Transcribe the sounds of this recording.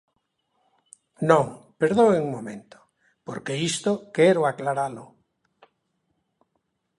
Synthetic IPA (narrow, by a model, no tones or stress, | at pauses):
nõŋpeɾðoweŋmomẽnt̪o̥ | po̰ɾkeist̪okɛɾoaklaɾalo